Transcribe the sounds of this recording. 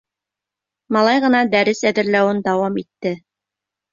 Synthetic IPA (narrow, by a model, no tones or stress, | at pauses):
mɑlˠɑjʁɤ̆nɑd̪æɾɘsæðɘ̆ɾlæwɘnd̪ɑwɑmit̪ːɘ